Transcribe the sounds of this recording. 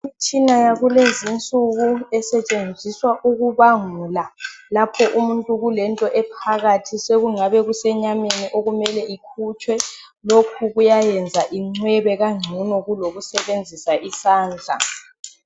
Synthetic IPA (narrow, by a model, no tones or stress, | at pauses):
imit͡ʃʼinajaɣulezint͡sʼuɣuɛsɛt͡ʃʼend͡zʱiswaʔuɣuβaŋulalapʰɔʔumuntʼuɣulɛntʼɔʔɛpʰaɣatʰiseɣuŋaβɛɣusɛɲameniʔoɣumɛlɛikʰut͡ʃʰʼwɛ | lokʰuɣujajɛnd͡zʱaʔiŋ͡ǀwɛβɛɣaŋ͡ǀʱunɔɣuloɣusɛβend͡zʱisaʔisaːnd͡ɮʱa̰